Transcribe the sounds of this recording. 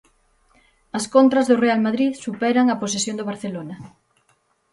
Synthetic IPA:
ɐskont̪ɾɐzðorealmaðɾiðsupɛɾaŋɐpos̬esjõnd̪oβaɾθelonɐ

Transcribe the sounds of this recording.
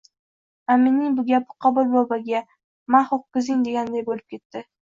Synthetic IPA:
amɪnːɪŋbʊɡʲabʊqʰɑbʊlˠbɒbaɡʲa | maχoq̚kːɪzɪŋd̪e̞ɡʲand̪ajbolɪp̚kʲʰe̞t̪ːɪ

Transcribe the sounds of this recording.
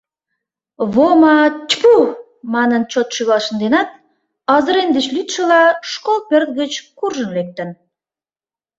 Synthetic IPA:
βomɑt͡ɕpu | mɑnənt͡ɕot̪ʃyɣɑʃənd̪enɑt̪̚ | ɑzə̆ɾend̪et͡ɕlyt̪ʃə̆lɑʃkolpert̪ɣət͡ɕkurʒənlek̚t̪ən

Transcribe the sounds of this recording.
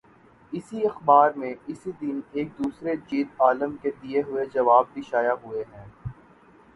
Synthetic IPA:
ɪsiɐxbaːɾmẽɪsid̪ɪneːk̚d̪uːsɾed͡ʒiːt̪aːləmked̪ieɦʊed͡ʒɐʋaːb̚b̪iʃaːjaɦʊeɦɛ̃ː

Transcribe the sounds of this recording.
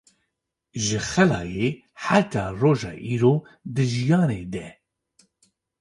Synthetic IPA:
ʒɨxɛlɑːjeː | ħat̪ʰɑːroːʒɑ̰ːʔiːɾoː | d̪ɨʒijɑːneːd̪ɛ

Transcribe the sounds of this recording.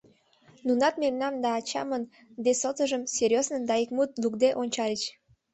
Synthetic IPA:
nunɑt̪̚memnɑmd̪ɑːt͡ɕɑ̰mən | d̪esot̪əʒəmserʲjoznə̆nd̪ɑikmut̪̚lukd̪eʔonʲt͡ɕɑlʲit͡ɕ

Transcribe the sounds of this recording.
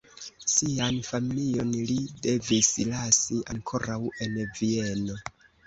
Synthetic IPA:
sianfamijo̞nlide̞vislasiaŋkʰo̞ɾawe̞nvie̞no̞

